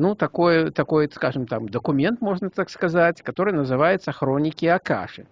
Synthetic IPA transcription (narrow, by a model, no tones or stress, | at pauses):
nut̪akojɛt̪akojskaʐɨmt̪amd̪ɐkumʲɛnt̪mɔʐnɐt̪akskazat͡sʲkat̪oɾɨnɐzɨvajɛt̪sːɐxɾɔnʲikʲiaka̰ʂɨ̰